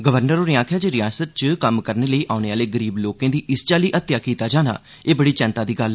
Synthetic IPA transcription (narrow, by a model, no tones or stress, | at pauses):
ɡəʋəɾnəɾoːɾɪãːkʰjaːd͡ʒeːɾɪjaːsət̪̚t͡ʃkəmkəɾneːləiːʔaːʊneːaːleːɡəɾiːbloːkãːd̪iːʔɪst͡ʃaːliːʔət̪jaːkiːt̪aːd͡ʒaːna̰ː | eːbəɽiːt͡ʃɛ̃ːnt̪aːd̪iːɡəl